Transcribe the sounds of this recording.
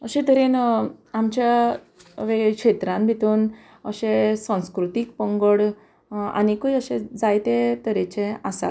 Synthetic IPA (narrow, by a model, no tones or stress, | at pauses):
əɕẽt̪əɾenamt͡ɕa | ʋekʂet̪ɾãmbʱit̪uːn | əɕesãw̃skɾut̪ik̚pə̃ŋɡəɽ | a̰nikujəɕẽd͡zajt̪et̪əɾet͡ɕẽasa̰t̪